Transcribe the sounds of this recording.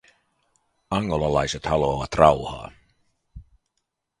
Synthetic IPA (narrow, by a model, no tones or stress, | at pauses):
ɑŋːolɑlɑjset̪hɑloːʋɑt̪rɑwhɑ̰ː